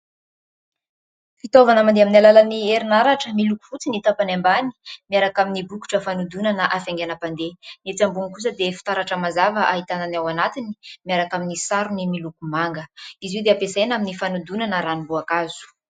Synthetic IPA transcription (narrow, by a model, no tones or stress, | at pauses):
fit̪ovanamand̪eaminalalanieɾinaɾaʈ͡ʂəmiluku̥fut͡sinit̪apanambani̥miaɾakaminibuku̥ʈ͡ʂəfanud̪unanəʔafeŋɡʲanapand̪enet͡sambuŋikus̬əd̪efi̥t̪aɾaʈ͡ʂəmazavəʔaɦit̪ananawanat̪ini̥miaɾakaminisaɾunimilukumaŋɡəiziwd̪eapesajnaminifanud̪unanəɾanibuakazu̥